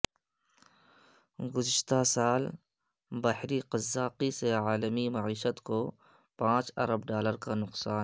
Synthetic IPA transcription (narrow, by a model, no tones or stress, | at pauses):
ɡʊzɪʃt̪asaːl | bahɾiqɐzːaːqiseaːləmimɐʕiːʃət̪ko | pãːt͡ʃɐ̰ɾəbɖaːləɾkanʊqsaː